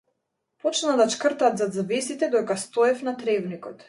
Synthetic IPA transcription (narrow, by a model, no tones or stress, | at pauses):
pɔt͡ʃnad̪at͡ʃkr̩t̪at̪zad̪zvɛsit̪ɛd̪ɔɛkast̪ɔɛfnat̪ɾɛvnikɔt̪